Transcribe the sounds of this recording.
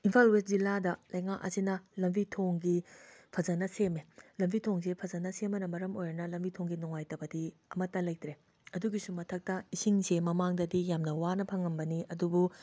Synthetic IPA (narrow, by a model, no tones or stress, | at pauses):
inpʰalwet̚zilːadɐlɐjŋakɐ̰sinɐlɐmbitʰoŋɡipʰɐzɐnɐsemelɐmbʱitʰoŋsepʰɐzɐnːɐsemɐnɐmɐɾɐmojɾɐnɐlɐmbitʰoŋɡinuŋajtɐbɐdiɐmɐtːɐlɐjt̪ɾe | ɐduɡisumɐtʰɐk̚tɐisiŋsemɐmaŋdɐdijamnɐwanɐpʰɐŋɐmbɐniɐdubu